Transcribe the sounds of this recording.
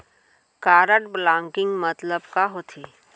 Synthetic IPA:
kaːɾəʈblãːŋkɪ̃ŋɡmət̪ləbkaɦot̪ʰeː

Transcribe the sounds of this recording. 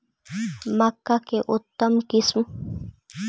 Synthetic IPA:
makːakeʔʊt̪ːamkism

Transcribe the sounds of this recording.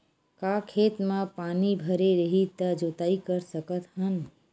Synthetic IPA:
kakʰet̪mãpanibʱəɾeɾəɦit̪əd͡ʒot̪aikəɾsəkət̪ɦən

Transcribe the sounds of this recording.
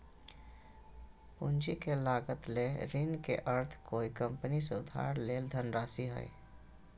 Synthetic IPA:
ʊ̰nd͡ʒikelaːɡət̪leɾinkḛʔəɾt̪ʰkoːikə̃mpəniseʊd̪ʱa̰ːɾleːld̪ʱənɾaːsiɦɛ̰ḭ

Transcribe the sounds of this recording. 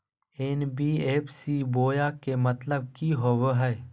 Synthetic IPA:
eːnbiːeːpʰsiboːjakemɐt̪ləb̚kiɦowɦɛː

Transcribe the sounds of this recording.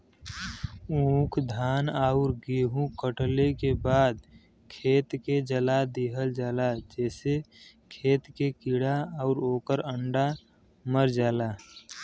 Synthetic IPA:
ũːkʰd̪ʱaːnaːʊɾɡeːɦũkəʈlekebaːd̪ | kʰeːt̪ked͡ʒəlad̪iɦəld͡ʒaːlad͡ʒɛːse | kʰeːt̪kekiɽaəʊɾoːkəɾəɳɖa | məɾd͡ʒaːlaː

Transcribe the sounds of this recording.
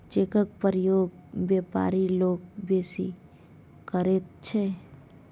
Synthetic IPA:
t͡ʃekək̚pəɾɪjoːɡbjeːpa̰ːɾiloːɡ̚beːsḭ | kəɾeːt̪̚t͡ʃʰeː

